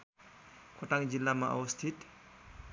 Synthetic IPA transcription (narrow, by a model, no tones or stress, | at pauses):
kʰɔʈaŋd͡ʒilːama̰ʔa̰wɐst̪ʰit̪